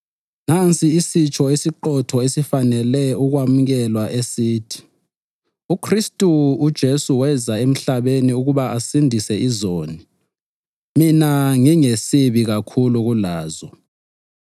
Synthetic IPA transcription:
nant͡sʼiːsit͡ʃʰʼɔesiǃɔtʰɔesifanɛlɛuɣwamuɣɛlwaʔesiːtʰi̥ | ukʰristʼuːd̥ʒ̥ʱesuwɛzaem̩ɬaβeniuɣuβaasindʱisɛizoːni | minaŋiŋesiβiɣakʰuluɣulaːzɔ

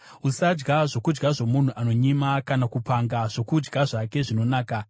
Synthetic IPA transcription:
usad͡ʒɡaʐo̞kud͡ʒɡaʐo̞mun̤uʔano̞ɲimakanakupaŋɡaʐ̥o̞kud͡ʒɡaʐake̞ʐino̞naːka

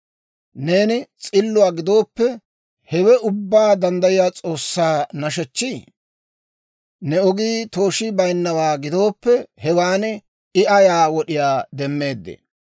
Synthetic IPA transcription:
ne̞ːnɪt͡sʼɪlːʊwaːɡɪd̪o̞ːpːɛ | hɛwɛʔʊbːaːd̪ɐnd̪ɐjɪjaːt͡sʼo̞ːsːaːnɐʃɛt͡ʃːi | nɛɔɡiːt̪o̞ːʃɪbɐjnːɐwaːɡɪd̪o̞ːpːɛhɛwaːn | ɪʔɐjaːwɔɗɪjaːd̪ɛmːe̞ːd̪ːḛ

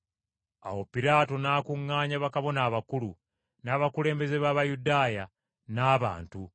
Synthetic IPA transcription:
a̰wo̞piɾaːto̞naːkuŋːaːɲaβakaβo̞naːβakulu | naːβakule̞ːmbe̞ze̞βaːβajudaːja | naːβa̰ːntu

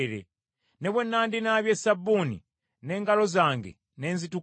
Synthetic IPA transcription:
ɾḛ | neβwenandinaβjesabunḭ | neŋɡalozaŋɡḛ | nenzitu

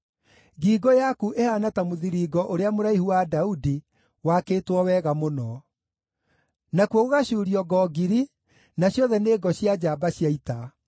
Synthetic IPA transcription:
ɡiːɡɔjakuʔehanatamoðiɾiːɡɔʔoɾeamoɾaihuwadaudi | wakeːtwɔwɛɣamonɔ | nakwoɣoɣaɕuːɾiɔɡɔːɡiɾi | naɕjɔðɛneːɡɔɕjad͡ʑaːbaɕjaita

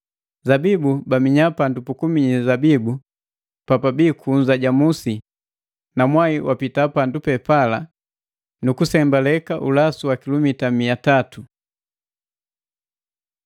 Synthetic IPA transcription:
zabibubamiɲapandupukumiɲizabibu | papabikʰuɲzaɟamusi | namwaiwapitapandupɛpala | nukusɛmbalɛkaʔulasuwakilɔmitamiatatu

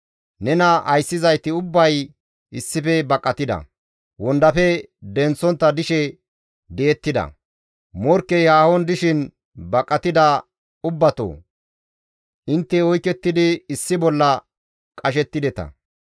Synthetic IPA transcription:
nɛnɐʔɐjsːɪzɐjt̪ɪʊbːɐj | ɪsːɪfɛbɐkʼːɐt̪ɪd̪ɐ̰ | wɔnd̪ɐfɛd̪ɛnt͡sːɔnt̪ːɐd̪ɪʃɛ | d̪ɛɛt̪ːɪd̪ɐ̰ | mɔɾkːɛjaːhɔnd̪ɪʃɪn | bɐkʼːɐt̪ɪd̪ɐ | ʊbːɐt̪o̰ː | ʔɪnt̪ːɛɔjkːɛt̪ːɪd̪ɪɪsːɪbɔlːɐ | kʼɐʃɛt̪ːɪd̪ɛt̪ɐ̰

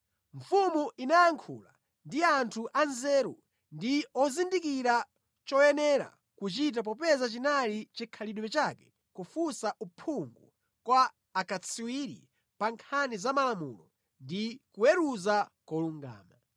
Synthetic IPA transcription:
ɱfumuʔinajaŋkʰṵla̰ | ndiantʰuʔanzɛːɾṵ | ndiɔzindikiɾa | t͡ʃɔjɛnɛɾa̰ | kut͡ʃit̬ap̬ɔpɛzat͡ʃinalit͡ʃikʰaliɗuwɛt͡ʃakɛ̥ | kufusaʔupʰuŋɡu | kwaː | kat͡sʰiwiɾḭ | paŋkʰanizamalamṵlɔ | ndikuwɛɾuzakɔluŋɡa̰ːma

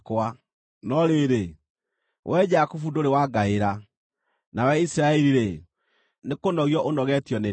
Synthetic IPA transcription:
kwa | nɔɾeɾe | wʔɛd͡ʒakufudoɾewaɡaeɾa | nawɛisiɾaɛɾiɾe | nekonɔɣiɔʔonɔɣɛtjɔne

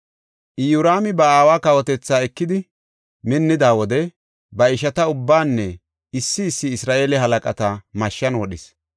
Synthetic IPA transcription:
ʔɪjʊɾaːmɪbɐaːwaːkɐwɔt̪ɛt͡sːaːɛkːɪd̪ɪ | mɪnːɪd̪aːwɔd̪ɛ | bɐɪʃɐt̪ɐʊbːaːnːɛ | ɪsːɪːsːɪːsɾaːʔe̞ːlɛɦɐlɐkʼɐt̪ɐmɐʃːɐnwɔɗɪs

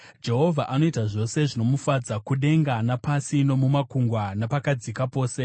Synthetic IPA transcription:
d͡ʒe̞ɦo̞vʱaʔano̞itaʐo̞se̞ʐino̞mufad͡zakuɗe̞ŋɡanapasino̞mumakuŋɡwanapakad͡zikapo̞ːse̞

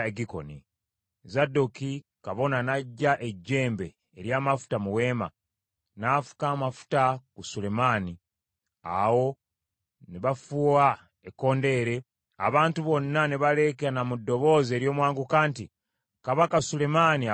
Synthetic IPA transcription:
eɡiko̞̰ni | zadoki | kaβo̞nanaɟːaʔe̞ɟːe̞ːmbe̞ːɾjaːmafu̥tamuwe̞ːma̰ | nafu̥kaːmafu̥takusule̞maːni | a̰wo̞ | neβafua | ekːo̞ːnde̞ːɾe̞ | a̰βaːntuβo̞nːaneβale̞keanamudːo̞βo̞ːze̞ːɾjo̞ːmwaːŋɡukaːnti | kaβakasule̞mania

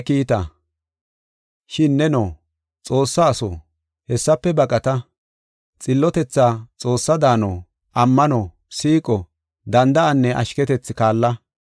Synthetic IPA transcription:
kiːt̪ɐ | ʃɪnːɛnoː | t͡sʼo̞ːsːɐːso̰ː | hɛsːɐpːɛbɐkʼɐt̪ɐ | t͡sʼɪlːɔt̪ɛt͡sːat͡sʼo̞ːsːɐd̪aːno | ʔɐmːɐnɔ | siːkʼɔ | d̪ɐnd̪ɐɐnːɛʔɐ̰ʃkɛt̪ɛt͡sːɪkaːlːɐ

